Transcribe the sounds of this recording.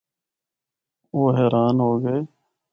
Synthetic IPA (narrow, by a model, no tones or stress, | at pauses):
oːɦeːɾʔaːnɦoːɡəeː